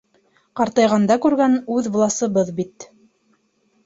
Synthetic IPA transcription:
qɑɾt̪ɑjʁɑnd̪ɑkʉɾɡænʉðvlˠɑsɤ̆βɤðbit̪

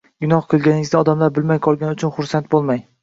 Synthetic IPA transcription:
ɡʊnɒhqʰɨlˠɡʲanɪŋɪzd̪ɒd̪amlaɾbɪlmajqʰɒlˠɡʲanʊt͡ʃʰʊnχʊɾsant̪̚bolˠmaj

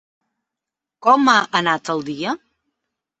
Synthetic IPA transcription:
kɔmaʔənat̪əlˠd̪iə

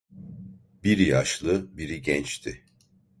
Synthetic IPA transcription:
biɾijaʃlˠɯbiɾiɟɛnt͡ʃt̪ʰi

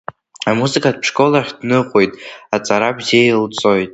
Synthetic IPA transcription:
amuzɨkʰʼat̚pʰʂkʼo̞laχʲd̥nɨqʼojtʼat͡sʼaɾabzejilt͡sʼo̞jtʼ

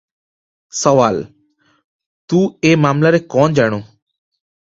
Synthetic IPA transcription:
səʋaːl | t̪uːeːmaːmlaːɾeːkɔːnd͡ʒaːɽ̃oː

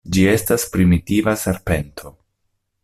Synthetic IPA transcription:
d͡ʒie̞staspɾimitivase̞ɾpe̞ntʰo̞

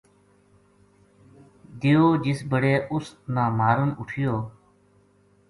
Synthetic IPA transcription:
d̪ɪjoːd͡ʒɪsbəɽeːʔʊst̪naːmaːɾənʊʈʰɪjoː

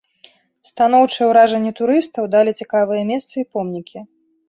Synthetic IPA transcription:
st̪an̪ɔwt͡ʂɨjɛwɾaʐɛnʲːit̪uɾɨst̪ɐwd̪alʲit͡sʲikavɨjɛmʲɛst̪sɐipɔmnʲikʲi

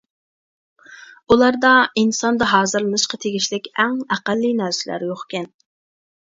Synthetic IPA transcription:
ulˠɑɾd̪ɑinsɑnd̪ɑɦɑːzɨɾlnɨʃqɑt̪ʰeɡʲiʃlɪkʲɛŋæqælːinæɾsɪlæ̰ɾjoχkʲʰɛn

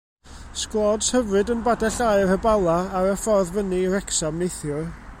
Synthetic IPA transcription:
sklˠɔdshəvrɨdənbadɛɬajrəbalˠaːɾəfɔrðvəniɾɛksamnejθjʊ

